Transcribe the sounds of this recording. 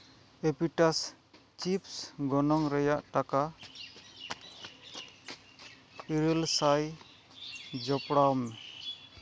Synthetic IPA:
epiʈas | t͡ʃipsɡɔnɔŋɾɛjaʔʈaka | iɾəlsaj | d͡ʒɔpɽawmɛ

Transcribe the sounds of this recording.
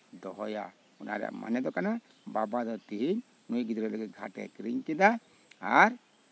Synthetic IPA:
d̪ɔɦɔja̰ | una̰ɾɛ̰ʔma̰nɛd̪ɔkana | babad̪ɔt̪iɦiɲ | mujɡid̪ɔɾɛləɡit̪̚ɡʱa̰ʈɛ̰kɾiɲkid̪a | aɾ

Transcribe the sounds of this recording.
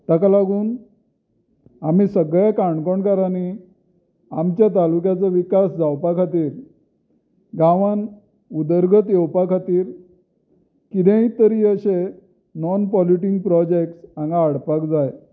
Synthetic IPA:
t̪akalaɡuːn | am̤iːsəɡɭekaɳkɔɳkəɾani | amt͡ɕjat̪alukjat͡səʋikasd͡zawpakʰat̪iːɾ | ɡãʋan | ud̪əɾɡʱət̪jewpakʰat̪iːɾ | kid̪ẽit̪əɾiːəɕe | nɔnpɔliʈiŋɡ̚pɾɔd͡ʑek̚ʈsaŋɡaːɽpakd͡zaj

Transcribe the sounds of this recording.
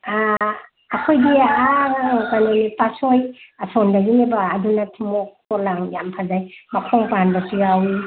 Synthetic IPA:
aː | kʰojdiakanenipasojasɔndaɡinebaːdunatʰimɔk̚tɔlaŋjampʰazajmakʰɔŋpanbasiɡawi

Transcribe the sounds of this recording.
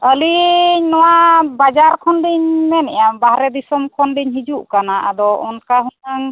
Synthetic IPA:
əliɲnɔwabad͡ʒaɾkʰɔnɖiɲmɛnɛjambaɦɾɛd̪isɔmkʰɔnɖiɲɦid͡ʒuʔkanaʔa̰d̪ɔʔɔnkaɦunaŋ

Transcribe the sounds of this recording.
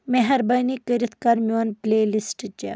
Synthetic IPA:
meɦɐɾbɐjnikɐɾit̪ʰkɐɾmwonplelisʈt͡ʃe

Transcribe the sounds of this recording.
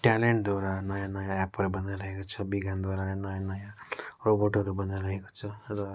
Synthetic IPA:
ʈɛleɳʈ̚d̪wɔɾanʌjãnʌjãɛpʌɾebʌnd̪eɾʌɦekot͡sʰʌbiɡʱand̪aɾaenʌjãnʌjãroboʈʌɾubʌnd̪aɾʌɦeko̥t͡sʰʌrʌ

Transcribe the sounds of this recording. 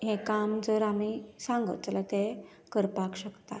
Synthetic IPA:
ɦẽkamd͡zəɾamisãŋɡə̰t̪̚t͡salat̪e | kəɾpakɕəkt̪a̰

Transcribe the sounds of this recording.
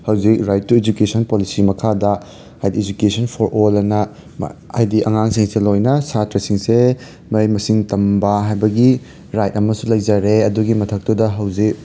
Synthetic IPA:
hɐwzik̚ɾajt̚ːued͡ʒukesʰɐnpolisimɐkʰadɐ | hajdied͡ʒukesʰɐnpʰoɾolɐnɐ̰ | a̰jdiʔɐ̰ŋaŋsiŋselojnɐsatɾɐsiŋse | mɐjmɐsiŋtɐmbɐɦajbɐɡi | ɾajt̚ɐmɐsulɐjd͡ʒaɾeɐduɡimɐtʰɐk̚tudɐɦɐwzik̚

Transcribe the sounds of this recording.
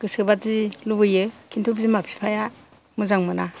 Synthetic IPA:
ɡ̥ɯsɯbatzilubɯjɯkʰintʰup̬zimapʰi̥pʰaja | mɯzaŋmɯna

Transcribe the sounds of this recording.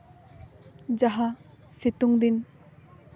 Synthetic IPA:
d͡ʒaɦa | sit̪uŋd̪in

